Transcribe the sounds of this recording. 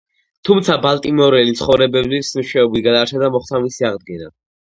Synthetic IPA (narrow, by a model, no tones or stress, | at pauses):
t̪ʰumt̪sʰabalˠt̪ʼimɔɾɛlit̪sʰχɔvɾɛbɛblismʃɛɔbit̪ɡad̪aɾt͡ʃʰɛd̪amɔχt̪ʰamisiaʁd̪̚ɡɛna̰